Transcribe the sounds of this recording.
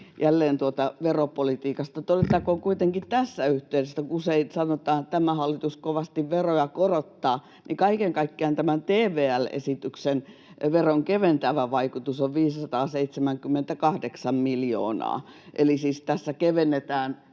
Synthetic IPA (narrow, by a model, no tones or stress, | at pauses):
jʔælːeːnt̪uot̪ɑʋeropolit̪iːkɑst̪ɑt̪odet̪ːˑɑkoŋkuit̪eŋkitt̪æsːæyht̪eˑysesːækuuseinsɑnot̪ɑːnt̪æmæhɑlːit̪uskoʋɑst̪iʋʋerojɑkorot̪ːɑː | nikɑikeŋkɑikːiɑnt̪æmænt̪eːʋeːælḛsit̪yksen | ʋeroŋkeʋent̪æʋæʋɑikut̪usoʋʋiːssɑt̪ɑːseit̪semæŋkymːent̪ækɑhdeksɑmmiljo̰ːnɑ̰ː | ʔelisiːst̪æsːækeʋenːet̪æːn